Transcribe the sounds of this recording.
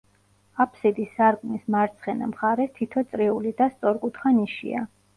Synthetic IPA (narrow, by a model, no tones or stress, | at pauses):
apʰsid̪isaɾkʼnismaɾt̪sʰχɛna̰mχaɾɛst̪ʰit̪ʰɔt̪sʼɾiulid̪ast̪sʼɔɾkʼut̪ʰχaniʃḭa̰